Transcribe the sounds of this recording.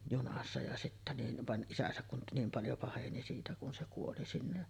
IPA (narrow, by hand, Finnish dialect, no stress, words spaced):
junɑsːɑ jɑ sitːæ nin ʋɑn ʔisæsæk kun niːm pɑljo pɑheni siːtæ kun se kuoli sinːe